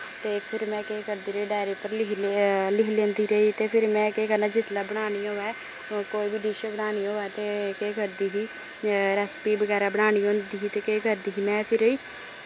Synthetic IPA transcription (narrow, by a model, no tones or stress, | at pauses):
t̪eːpʰɪɾmɛ̃ːkeːkəɾd̪iːɾəiːɖaːɪɾepəɾlɪlɪkʰlẽːnd̪iːɾəiːt̪eːpʰɪɾmɛ̃ːkeːkəɾnaːd͡ʒɪslaːbəɽ̃aːñiɦoɛː | koːiːbiɖiːʃəbənaːniːoːɛːt̪eːkeːkəɾd̪iːɦiː | ɾɛːspiːbəɡɛːɾaːbəɽ̃aːñiːõːnd̪iːɦiːt̪eːkeːkəɾd̪iːɦiːmɛ̃ːpʰɪɾəiː